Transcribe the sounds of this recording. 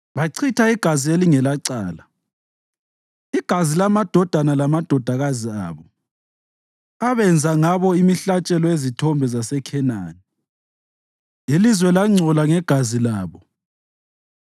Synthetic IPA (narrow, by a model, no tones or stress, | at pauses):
βaǀʰitʰaiɡ̥ʱazieliŋɛlaǀa̰ːla | iɡ̥ʱazilamad̥ʱɔd̥ʱanalamad̥ʱɔd̥ʱaɣazia̰ːβɔ | aβɛnd͡zʱaŋaβɔimiɬat͡ʃʼɛlɔezitʰɔmbʱɛzasɛkʰɛna̰ːni | ilizwɛlaŋ͡ǀʱɔlaŋɛɡ̥ʱazilaːβɔ